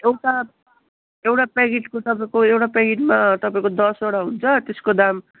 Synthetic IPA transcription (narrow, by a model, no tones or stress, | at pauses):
ewʈa | ewʈapaɡiʈkot̪ʌpaĩkoewʈapeɡiʈmat̪ʌpaĩkod̪ʌsoɽaɦunt͡sʰʌt̪eskod̪am